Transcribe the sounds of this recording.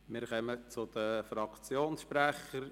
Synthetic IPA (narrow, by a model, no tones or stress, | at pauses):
mɪɾχœmət͡sʊd̪̥əfɾɑkt͡sjoːnsʃpɾæχəɾ